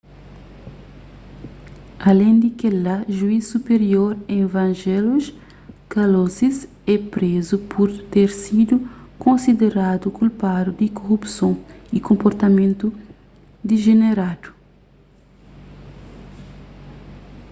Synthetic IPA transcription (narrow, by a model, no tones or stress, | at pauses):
ɐlẽnd̪ikelaʒuisupeɾioɾẽvɐ̃nʒɛluʃ | kalozis | ɛpɾezupʰuɾt̪eɾsid̪ukõnsid̪eɾad̪ukulpad̪ud̪ikoʁupsõikõmpoɾt̪ɐmẽnt̪u | d̪iʒeneɾad̪̥u̥